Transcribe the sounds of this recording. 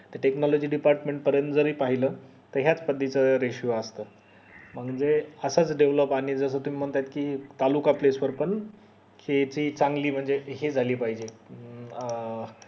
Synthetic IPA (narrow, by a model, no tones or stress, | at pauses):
t̪eʈeknɔlod͡ʑiːɖipaɾʈmeɳʈ̚pəɾjənt̪d͡zəɾiːpaɦilə | t̪əɾɦjat͡spəd̪ʱːit͡səɾeɕjuəst̪əː | m̤əɡd͡zeəsat͡sɖeʋləpaɽ̃id͡zəs̬əːt̪um̤iːm̤əɳt̪ajt̪kiːt̪alukaplesʋəɾpəɳ | kʰet͡ɕiːt͡saŋɡliːm̤əɳd͡zeɦed͡zʱaliːpaɦid͡ʑe